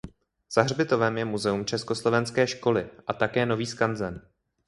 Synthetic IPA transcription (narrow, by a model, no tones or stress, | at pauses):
z̥aɦrbɪt̪o̞vɛmjɛmuzɛumt͡ʃɛsko̞slo̞vɛnskɛːʃko̞lɪʔat̪akɛːno̞viːskanzɛn